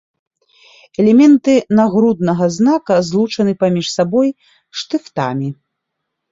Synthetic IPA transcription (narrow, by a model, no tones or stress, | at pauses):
ɛlʲɛmʲɛnt̪ɨnaɣɾud̪nɐɣɐznakɐzlˠut͡ʂɐnɨpamʲiʂsabɔj | ʂt̪ɨft̪a̰mʲi